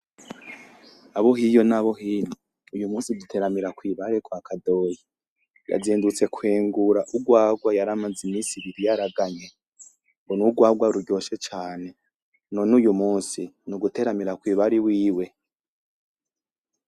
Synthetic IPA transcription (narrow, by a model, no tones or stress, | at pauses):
aβoɦijo̞naβoɦino | ujumuːsidutʰe̞ːɾamiɾakwiːβaɾekwakʰado̞ji | ja̰zeːndut͡se̞kwe̞ːŋɡuɾaʔuɡwaːɡwajaɾamad͡zimiːnsiβiɾijaɾaɡaɲe | mbonuɡwaːɡwaɾuɾɟo̞ːʃet͡ʃaːne̞ | nonujumuːnsinuɡute̞ːɾamiɾakwiːβaɾiwiːwe̞